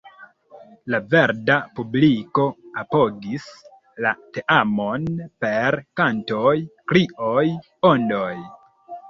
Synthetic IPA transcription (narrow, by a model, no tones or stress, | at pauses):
lave̞ɾdapubliko̞apo̞ɡis | la̰te̞ʔamo̞npe̞ɾkantojkɾiʔoj | ondoj